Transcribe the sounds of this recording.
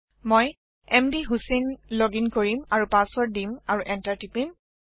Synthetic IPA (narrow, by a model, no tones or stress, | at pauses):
moj | ɛmdiɦusenloɡinkoɹimaɹupasɔɹdimaɹuʔɛntaɹtipim